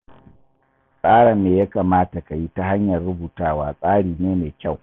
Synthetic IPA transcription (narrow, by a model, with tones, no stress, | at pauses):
sʼaː˦ɽɐ˨mːeː˨ja˦kaː˨maː˦ta˨ka˨ji˦ta˦ɦa˦ɲjɐ˨rɽʊ˦buː˨taː˦waː˦sʼaː˦ɽiː˨neː˦meː˨kʲa˦˨w